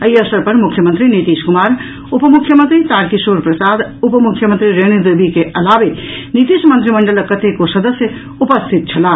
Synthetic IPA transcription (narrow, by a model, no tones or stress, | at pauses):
əiəsəɾpɐɾmukʰːjəmə̃nt̪ɾinit̪iʃkumaːɾ | upəmukʰːjəmənt̪ɾit̪aːɾkisoːɾpɾɐsaːd̪upəmukʰːjəmə̃nt̪ɾiɾeñid̪ebikeʔɐlaːʋenit̪iʃmənt̪ɾiməɳɖələkːɐt̪ʰekosɐd̪əsjə | upəst̪ʰit̪̚t͡ʃʰɐla